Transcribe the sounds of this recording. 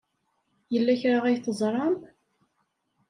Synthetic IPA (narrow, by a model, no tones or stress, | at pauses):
jəlːæçɾaʁæjθəzˤɾˤɑm